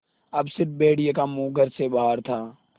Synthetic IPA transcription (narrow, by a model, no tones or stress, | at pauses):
ɐbsɪɾt̚beːɽijekamuːɡəɾsebaːəɾt̪ʰaː